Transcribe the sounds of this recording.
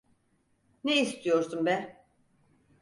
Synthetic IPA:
neist̪ʰijo̞ɾsumbɛ

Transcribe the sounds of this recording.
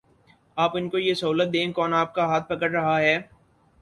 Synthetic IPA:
aːpɪnkojesɐɦuːlət̪̚d̪ẽːkɔːnaːp̚kaɦaːt̪̚pɐkəɽɾɐɦaɦɛː

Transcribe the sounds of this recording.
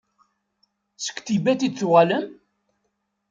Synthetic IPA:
sə̥kʷːt̪ibæt̪id̪θuʁæləm

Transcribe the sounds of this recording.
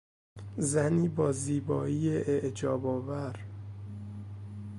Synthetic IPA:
zæniːbɒːziːbɒːiːjeʔeʔd͡ʒɒːbɒːvæɾ

